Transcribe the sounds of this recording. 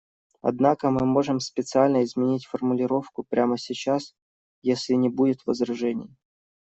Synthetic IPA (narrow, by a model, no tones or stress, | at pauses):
ɐ̰d̪nakəmɨmo̞ʐɨmspʲɪt̪sɨalʲnəɪzmʲɪnʲitʲfərmʊlʲɪɾo̞fkʊpɾʲʔaməsʲɪt͡ɕas | jesʲlʲɪnʲɪbudʲɪt̪vəzɾɐʐɛnʲɪ̰j